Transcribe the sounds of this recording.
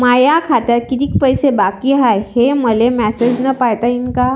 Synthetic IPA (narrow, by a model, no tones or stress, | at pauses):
majakʰat̪aɾkit̪iːk̚pəjsebakiɦajheməlemæsed͡ʑnəpajt̪aiŋka